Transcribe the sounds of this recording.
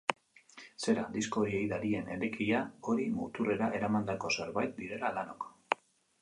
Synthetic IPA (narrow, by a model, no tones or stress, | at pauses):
se̞ɾa̰d̪isko̞ɾiejðaɾie̞ne̞ɾekiʎao̞ɾimṵt̪ure̞ɾaʔe̞ɾamand̪ako̞se̞ɾβajt̪̚d̪iɾe̞lalano̞̰k